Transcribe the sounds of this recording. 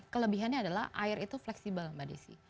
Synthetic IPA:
kələbiɦanɲaːdala̰hʔaɪɾit̪uflɛksibəlmadḭsḭ

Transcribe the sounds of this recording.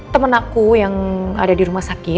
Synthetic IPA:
t̪əmənakujaŋa̰dadiɾumahsakɪ

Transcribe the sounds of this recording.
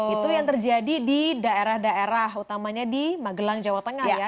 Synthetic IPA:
it̪ujaŋt̪ərd͡ʒadididaeɾahdaeɾahut̪amaɲadimaɡəlaŋd͡ʒawat̪əŋajhja

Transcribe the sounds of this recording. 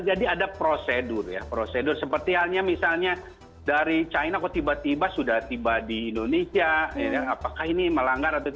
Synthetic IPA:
d͡ʒadiadapɾosedʊrja̰pɾosedʊrsəpərt̪iɦalɲamisalɲa | daɾit͡ʃainakot̪ibat̪ibasudaht̪ibadiːndonesiajajaːpakahiniməlaŋɡaɾat̪u

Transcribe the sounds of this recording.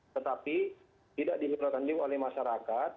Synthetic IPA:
t̪ət̪api | t̪idaʔdiɦuɾakand͡ʒiolɛhmaʃaɾakat̪̚

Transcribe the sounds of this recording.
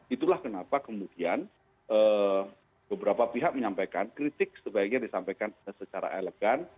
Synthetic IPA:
it̪ulahkənapakəmudian | ʔə | bəbəɾapapiɦak̚məɲampajkankɾit̪ɪk̚səbaik̚ɲadisampajkanəsət͡ʃaɾa̰ʔeleɡ̥an

